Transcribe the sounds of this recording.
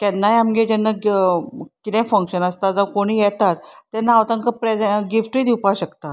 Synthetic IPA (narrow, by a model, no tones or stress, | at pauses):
kɛnːaɦjamɡed͡ʑɛnːa | kit̪ɛ̃fəŋkɕənəst̪ad͡zəkoɽ̃iːjɛt̪at̪ːɛnːaːʋt̪ãŋkəpɾeɡifʈiːd̪iwpaɕəkt̪at̪